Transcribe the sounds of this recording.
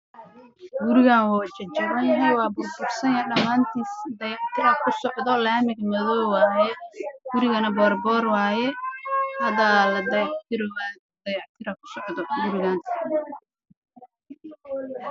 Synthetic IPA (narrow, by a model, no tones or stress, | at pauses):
ɡʊɾɪɣaːnwaːt͡ʃɐt͡ʃɐʕɐnɦɛwɑːbʊrbʊrsɐnjɐɖɐmaːnt̪ʰiːsd̪ɐjɑʕt̪ʰɪɾɐkʰʊsɔʕðɔlaːmɪɡmɐðɔwwɑːjɛɡʊɾɪɣɐnɐbɔːrbɔːrwɑːjɛhɐðalɐd̪ɐjʕt̪ʰɪɾ | d̪̥ɐjɑʕt̪ʰɪɾɐkʰʊ̥sɔʕðɔɡʊɾɪɣaːn